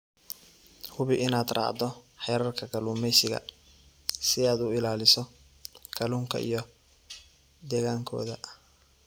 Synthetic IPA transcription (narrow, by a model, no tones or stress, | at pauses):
hʊβɪʔɪnaːd̪rɑ̰ːʕd̪ɔħɛːɾɐrkʰɐkʰɐluːmɛjsɪɣɐ̰ | sɪaːd̪ʊɪlaːlɪsɔ | kʰɐluːŋkʰɐ̰ʔḭjɔ | d̪ɛːɣaːŋkʰɔ̰ːðɐ